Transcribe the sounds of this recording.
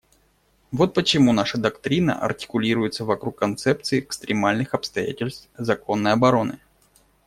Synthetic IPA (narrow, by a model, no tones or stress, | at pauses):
vo̞t̪̚pət͡ɕɪmunaʂəd̪ɐkt̪ɾʲinə̰ʔɐ̰rtʲɪ̥kʊlʲiɾʊjɪt̪səvɐkɾukːɐnt̪sɛp̚t̪sɨɪɛkst̪ɾʲɪmalʲnɨxɐpst̪ɐja̰tʲɪlʲst̪fzɐko̞nːəjɐbɐɾo̞nɨ̰